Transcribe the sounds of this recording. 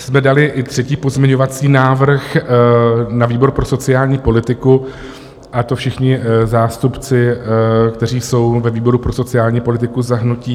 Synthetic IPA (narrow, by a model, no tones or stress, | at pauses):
smɛdalɪʔɪt̪r̝̥ɛciːpo̞zmʲɲɛɲo̞vat͡siːnaːvr̩x | naviːbo̞ɾpɾo̞so̞t͡sɪjaːlɲiːpo̞lɪt̪ɪku | ʔat̪o̞fʃɪxɲɪzaːst̪upt͡sɪkt̪ɛr̝iːso̞wvɛviːbo̞ɾupɾo̞so̞t͡sɪaːlɲiːpo̞lɪt̪ɪkuzaɦnuciː